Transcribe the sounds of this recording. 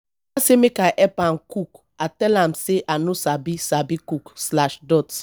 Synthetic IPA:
asemekaʔɛpan̩kuk | atɛlam̩seʔanʊsabisabikukslaʃdɔt

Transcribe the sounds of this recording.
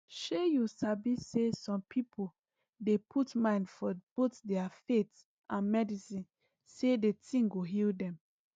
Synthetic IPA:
ʃojusabiesɔ̃mpʰipʰo | depʰutmãɪ̃ndfɔb̥otdɛafet | ʔãnmɛdisĩn | sedetĩŋɡoɦildɛ̃m

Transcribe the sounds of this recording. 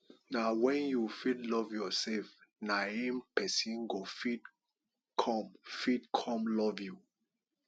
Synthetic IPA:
nawɛ̃njufidlɔvjɔsɛfnaimpɛsĩnɡofid | kʰɔ̃mfidkʰɔ̃mlɔvju

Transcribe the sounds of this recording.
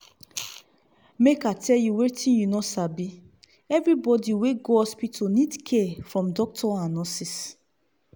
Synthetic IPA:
mekatʰɛljuwetĩnjunɔsabi | ɛvɹibɔdiweɡoɔspitʰonĩdkʰɛfɹɔ̃mdɔk̚tʰɔanɔsis

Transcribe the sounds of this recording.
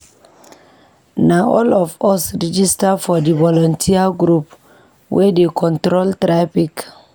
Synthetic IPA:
naɔlɔfɔsɹid͡ʒistafɔdivɔlɔ̃ntʰiaɡɾup | wʔɛdekʰɔ̃ntɾoltɾapik

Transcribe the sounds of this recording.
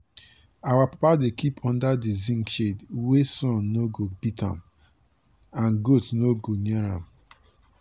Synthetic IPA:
awapapadekipʰɔ̃ndadizĩŋkʃedwesɔ̃nːoɡobitã̰m | ãnɡotnoɡoneɾa̰m

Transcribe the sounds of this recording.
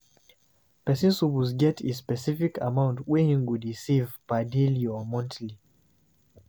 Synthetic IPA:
pɛsĩnsupuzɡɛtʰespɛsifikʰa̰mãʊ̃ntwɛhĩŋwudɹisivpadiliɔmɔ̃ntʰli

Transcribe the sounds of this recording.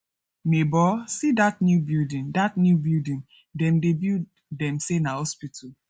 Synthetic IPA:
mebɔsidatnjubildĩndatnjubildĩn | dɛ̃mdebi | dɛ̃msenahɔspitʰu

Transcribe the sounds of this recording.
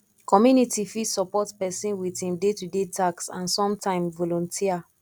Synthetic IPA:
kɔmjunitifitsɔpɔtpɛsĩnwitĩmdetudetʰaksã̰nsɔ̃mtʰãɪ̃mvɔlɔ̃ntʰia

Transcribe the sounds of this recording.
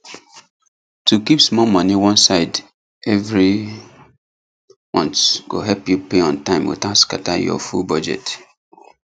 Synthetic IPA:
tukipsmɔmʌniwɔ̃nsaɪd | ɛvɹi | mɔ̰̃ntɡ̥o̰ɦɛlpjupeɔ̃ntãɪ̃mwṵtaskatajɔ̰fṵlbɔd͡ʒɛ̰t

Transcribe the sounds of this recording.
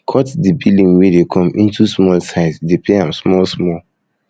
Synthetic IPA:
kʰɔtdibilĩŋwedekʰɔ̃mĩntusmɔlsaɪsdepeãmsmɔlsmɔl

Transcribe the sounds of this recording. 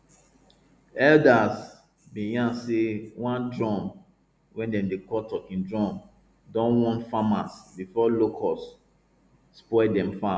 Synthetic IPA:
ɛldas | biɡãnsewãndɹɔ̃m | wɛ̃ndɛ̃mdekɔtɔʔĩndɹɔ̃m | dɔ̃nwɔ̃ntfamasbifɔlokʰɔsː | pɔdɛ̃mfa

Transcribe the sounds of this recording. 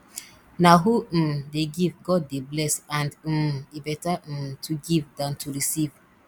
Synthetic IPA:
naɦudeɡivɡɔd̚ːeblɛsãnd̩ebɛtatʰuɡivdãntʰuɹisiv

